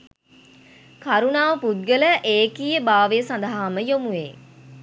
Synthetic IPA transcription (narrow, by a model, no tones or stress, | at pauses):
kaɾunaːʋəpud̪̚ɡələʔeːkijəbaːʋəjəsand̪əɦaːməjomuʋeː